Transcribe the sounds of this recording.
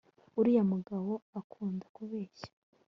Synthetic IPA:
uɾijamuɡawo̞akʰuːndakuβeːʃḁ

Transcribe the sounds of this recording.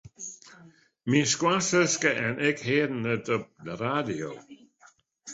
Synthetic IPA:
minskwasəskəʔɛnɪkheːdnədɔb̚ləɾad̪io̰

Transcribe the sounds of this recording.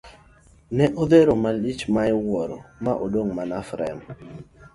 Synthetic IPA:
nɛʔod̪eɾomalit͡ʃmaɪwɔɾɔ̰maʔodoŋmanafɾɛ̰m

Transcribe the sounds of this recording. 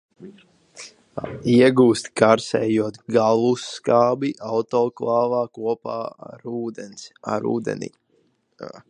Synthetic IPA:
iɛɡuːst̪kaɾsɛ̰ːjuɔt̪ɡalˠusːkaːbiʔawt̪ɔːklˠɑːvaːkuɔpa̰ːaɾuːd̪ensa̰ɾṵːd̪ḛnḭ

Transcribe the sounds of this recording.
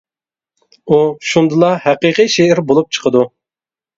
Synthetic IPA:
uʃund̪ɨlˠɑhæqiqijʃeɪɾbolˠup̚t͡ʃʰə̥qʰəd̪u

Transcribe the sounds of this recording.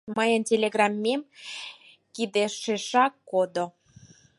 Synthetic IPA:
məjəntʲelʲeɣrɑmʲːem | kid̪eʃeʃɑkːod̪o

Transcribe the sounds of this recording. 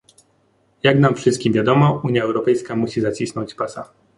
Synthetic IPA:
jaɡnamfʂɘst̪̚kʲimvʲjad̪ɔmɔuɲjaɛwɾɔpɛjskamuɕizat͡ɕisnɔ̃ɲt͡ɕpasa

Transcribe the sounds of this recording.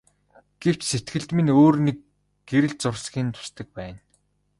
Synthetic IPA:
ɡ̥ew̥t͡ɕset̪ɡɘ̆ɮt̪mĭnoːrnek | ɡeɾɘ̆ɮt͡sʊrsɡʲiːnt̪ʰʊ̥st̪ɘ̆k̚pæːn

